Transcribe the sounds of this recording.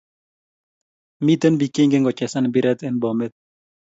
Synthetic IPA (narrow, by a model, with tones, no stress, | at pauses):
mi˦t̪e˦nbi˨ke˦ŋɡe˦ŋɡɔ˨t͡ʃɛ˨sa˦nbi˦ɾɛ˦t̪ɛ˦nbɔ˨me˦t̪̚